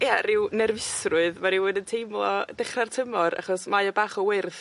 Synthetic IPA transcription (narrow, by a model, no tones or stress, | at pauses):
jarɪwnɛrvɪsrʊɨðmaɾɪwʊdəntʰejmlˠɔd̥ɛχrartʰəmɔɾa̰χɔsmajɔbaːχɔwɪrθ